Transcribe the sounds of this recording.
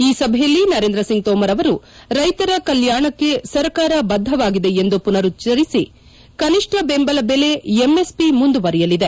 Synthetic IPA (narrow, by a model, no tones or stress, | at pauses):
iːsɐbʱɛjɐlːinɐɾeːnd̪ɾɐsiŋɡ̚t̪ɔːmɐɾɐʋɐɾu | ɾɐjt̪ɐɾɐkɐljaːɳɐkːe̞sɐɾkaːɾɐbɐd̪ʱːɐʋaːɡid̪e̞end̪upunɐɾut͡ʃɐɾisi | kɐniʂʈʰɐbembɐlɐbele̞emːe̞spimund̪uʋɐɾɛjɐlid̪e